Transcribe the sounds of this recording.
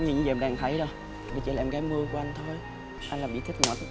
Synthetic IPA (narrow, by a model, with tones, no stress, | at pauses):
ɲ˨˩˨ɲɨ̰˧ŋzə˨˧˩ɗaː˨˩ŋt̪ʰə˨˦jɗo˨˩j | i˨˩t͡ɕḭ˧˦laː˨˩mɣaː˨˦mɨ˧əku˨˩˦ʔa˧ŋ̟t̪ʰo˧j | ʔa˧ŋ̟laː˨˩mɓḭ˧˨t̪ʰi˦˥k̚nɔ̰˨˧˦t̪ʰ